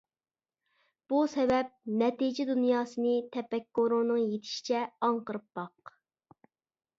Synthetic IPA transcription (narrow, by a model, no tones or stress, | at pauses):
b̥usɛvɛp̚nɛt̪id͡ʒɛd̪unjɑːsɨnɨt̪ʰɛpɛkːoɾʊŋnɨŋjet̪ʰɪ̥ʃi̥t͡ʃʰɛɑŋqəɾɨp̚bɑq